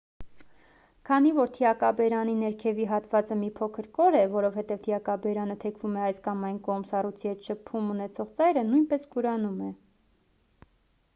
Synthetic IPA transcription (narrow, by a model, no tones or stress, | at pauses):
kʰɑnivɔɾt̪ʰiɑkɑbɛɾɑninɛɾkʰɛviɦɑt̪vɑt͡səmipʰɔkʰəɾkɔɾɛvɔɾɔvhɛt̪ɛvt̪ʰiɑkɑbɛɾɑnət̪ʰɛkʰvumɛɑjskɑmɑjnkɔʁmsɑrujt͡sʰihɛt̪ʃəpʰːumunɛt͡sʰɔʁt͡sɑjɾənujnpɛskuɾɑnumɛ